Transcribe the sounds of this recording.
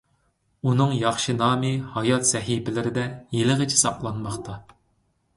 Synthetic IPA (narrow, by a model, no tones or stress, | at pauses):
unɨŋjɑχʃɨnɑːmɨhɑjɑt̪sɛɦipɪlɪɾɪd̪ɛjelɨʁɨt͡ʃʰɪ̥sɑplˠɑnmɑχt̪ɑ